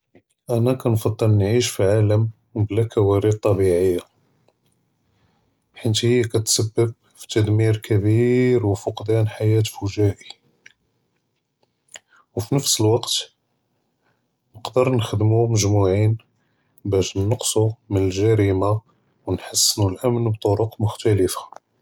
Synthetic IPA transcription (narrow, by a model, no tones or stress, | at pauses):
ʔænækɑnfɑd̪ˤːəlnʕiʃfiʕaləm | blækʰæwæɾid̪̚t̪ˤːɑbiʕəjːa | ħint̪həjːækæt̪səbːəb̚ | fi̥t̪æd̪miɾkʰæbiɾwfoqd̪ænħajæt̪fuʒæʔi | wfinəfsəlwɑqt̪ | nəqd̪əɾnəxəd̪muməʒmuʕin | bæʃnːəqsˤumənəlʒæɾima | wnħasːənulʔæmnbt̪ˤoɾʊqmʊxt̪æləfḁ